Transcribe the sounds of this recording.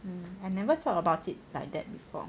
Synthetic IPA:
anɛvət̪ɔtəbaʊtit̚lajk̚dɛ̰t̚bifɔ̰

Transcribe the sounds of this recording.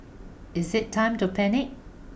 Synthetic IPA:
ɪzɪtʰːãɪ̃mtupʰɛnɪk̚

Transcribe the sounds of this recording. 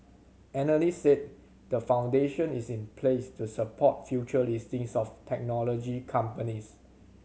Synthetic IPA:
ʔɛnəlisset̚ | dəfãw̃ndeʃə̃nisĩnpʰlestusəpʰɔt̚fjut͡ʃəlistĩŋsɔftʰɛk̚nɔlɔd͡ʒikʰãmpənis

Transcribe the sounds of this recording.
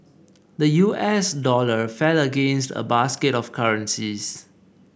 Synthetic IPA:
dəjuʔɛsdɔləfɛləɡẽnstə̰baskɪtɔfkʰaɹə̃nsis

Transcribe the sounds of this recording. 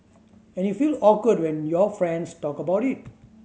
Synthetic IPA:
ɛ̃njufiːlɔkədwɛ̃njɔfɹɛ̃nstɔkəbaʊtit̚

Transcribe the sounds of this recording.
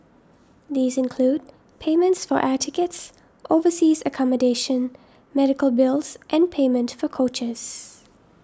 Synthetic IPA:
ðiːzɪ̃nkʰl̥uːd̚ | pʰẽɪmə̃ntsfəɹʔætʰɪkəts | ʔoʊvəsiːzəkʰɑmədeɪʃə̃n | mɛɾɪkəlˠbɪlˠz̥ʔɨ̃npʰẽɪmə̃ntfəkʰoʊt͡ʃəz̥

